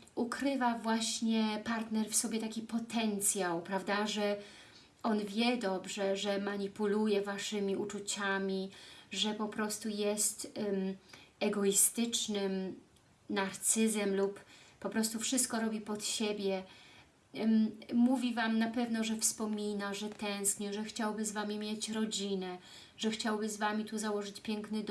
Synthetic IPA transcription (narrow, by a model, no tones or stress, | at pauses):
ukɾɘvavwaɕɲɛpaɾt̪nɛɾfsɔbʲjɛt̪akʲipɔt̪ɛnt̪sʲjawpɾavd̪aʐɛ | ʔɔnvʲjɛd̪ɔbʐɛʐɛmaɲipulujɛvaʂɘmʲiut͡ʂut͡ɕamʲiʐɛpɔpɾɔst̪ujɛst̪ | ɛɡɔist̪ɘt͡ʂnɘm | naɾt̪sɘzɛmluppːɔpɾɔst̪ufʂɘst̪kɔɾɔbʲipɔt̪ɕebʲjɛ | muvʲivamnapɛvnɔʐɛfspɔmʲinaʐɛt̪ɛ̃w̃skɲɛʐɛxt͡ɕawbɘzvamʲimʲjet͡ɕɾɔd͡ʑinɛ | ʐɛxt͡ɕawbɘzvamʲit̪uzawɔʐɘt͡ɕpʲjɛŋknɘd̪